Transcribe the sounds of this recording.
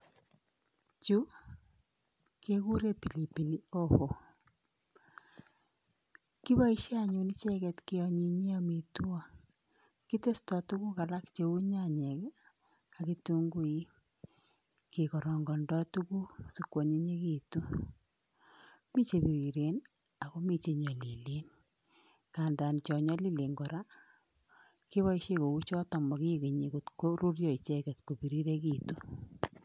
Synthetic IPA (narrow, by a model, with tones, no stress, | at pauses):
t͡ʃu˦ | ke˦ku˦ɾe˦pi˨li˨pi˨ni˦o˦ho˨ | ki˦βa˦i˦ʃa˨ɲu˨ni˦t͡ʃɛ˦kɛ˨tke˦ɔ˨ɲi˨ɲe˦a˨mi˨tu˦ɔ˦˨ | ki˦te˦stɔ˨tu˦ku˦ka˨la˦kt͡ʃe˨u˦ɲa˦˨ɲɛ˨k | a˨ki˦tu˦ŋɡu˦i˦ | ke˨kɔ˨ɾɔ˨ŋɡɔ˨ndɔ˦tu˦ku˦su˨kwɔ˨ɲe˦ɲe˦ki˦tu˦ | mi˦t͡ʃe˨pi˨ɾi˨ɾe˨n | a˨ko˦mi˨t͡ʃe˨ɲɔ˨li˨le˨˦n | ka˨nda˨nt͡ʃɔ˨ɲɔ˦li˦le˨ŋɡɔ˨ɾa˦ | ki˦βa˦iʃe˦ko˨u˦t͡ʃɔ˦tɔ˨mɔ˨ki˦˨ke˨ɲe˨ku˨tko˦ɾu˦rjɔ˦˨i˨t͡ʃe˦kɛ˨tko˨pi˨ɾi˦ɾe˦ki˦tu˦